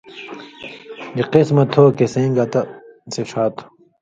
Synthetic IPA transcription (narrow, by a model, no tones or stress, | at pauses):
iqismɐt̪ʰoːkesẽŋɡɐt̪ɐseʂʰaːt̪ʰo̥